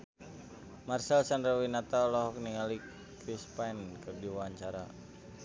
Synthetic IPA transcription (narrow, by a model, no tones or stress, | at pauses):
marsɛlsandɾawinat̪alɔɦɔk̚niŋali | kɾispankɨrdiwaɲt͡ʃaɾa̰